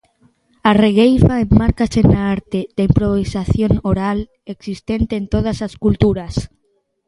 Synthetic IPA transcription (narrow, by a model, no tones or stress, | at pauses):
areɣejfaemːaɾkasenaaɾt̪ed̪aimpɾoβisaθjonoɾal | eksist̪ent̪eːnt̪oð̞asaskult̪uɾas